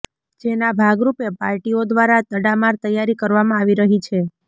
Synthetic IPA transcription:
d͡ʒenabʱaɡɾupepaɾʈiod̪ʋaɾat̪əɽamaɾt̪əjːaɾikəɾʋamãaʋiɾəɦit͡ʃʰe

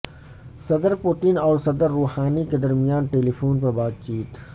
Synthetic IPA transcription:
sɐd̪əɾpʊʈɪnɔːɾsɐd̪əɾːoːhaːniked̪ɐɾmijaːnʈeːlipʰoːnpɐɾbaːd̪t͡ʃiːt̪

